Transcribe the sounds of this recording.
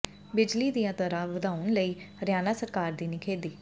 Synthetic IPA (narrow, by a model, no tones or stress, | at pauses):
bɪd͡ʒliːd̪ijãːt̪əɾãːʋəd̪aːʊnləiːɾjaːnaːsəɾkaːɾd̪iːnɪkʰeːd̪iː